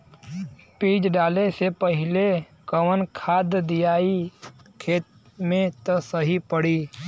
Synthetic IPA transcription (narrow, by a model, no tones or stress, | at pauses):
piːd͡ʒɖaːlesepəɦɪle | kəwənkʰaːd̪d̪ijaːikʰeːt̪̚ | mẽt̪osəɦipəɽiː